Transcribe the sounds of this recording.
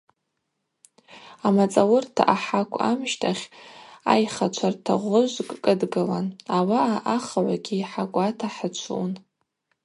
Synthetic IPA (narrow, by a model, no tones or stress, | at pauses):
amat͡sʼawʊrtʰa̰ʔaħakʷʼa̰mʃtʰaχʲa̰jχat͡ʃʷʰartʰaʁʷʊʒʷkʼkʼɨdɡɨla̰nawaʔaʔaχaʕʷaɡʲiːħakʷʼatʰaħət͡ʃʷʰṵn